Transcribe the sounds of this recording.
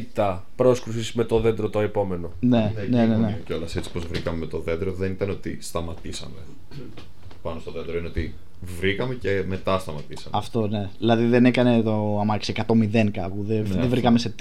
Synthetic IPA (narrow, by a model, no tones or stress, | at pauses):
t̪ɐ | pɾo̞skɾusisme̞t̪o̞ðe̞nd̪ɾot̪oepo̞me̞no̞ne̞nnenenecolɐse̞t͡si̥pozvɾikɐmemet̪o̞ðe̞nd̪ɾoðe̞nit̪ɐneot̪ḭst̪ɐmɐt̪isɐ̰me | pɐno̞st̪oðe̞nd̪ɾoineo̞t̪i | vɾikɐme̞ce̞me̞t̪ɐst̪ɐmɐt̪isɐ̰mɐft̪o̞ne̞ðilɐðiðe̞nekɐne̞t̪oɐmɐksekɐt̪o̞miðe̞ŋkɐpuðeðevɾikɐme̞set̪